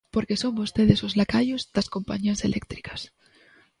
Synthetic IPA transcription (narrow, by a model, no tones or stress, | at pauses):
poɾkesombost̪eðesozlakaʎozd̪̥askompaɲiaselʔek̚t̪ɾikḁs